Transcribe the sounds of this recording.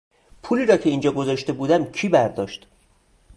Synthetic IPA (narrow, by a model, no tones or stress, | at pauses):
pʰuːliːɾɒːcʰe̞iːnd͡ʒɒːɡozɒʃt̪e̞buːd̪æmcʰiːbæɾd̪ɒːʃt̪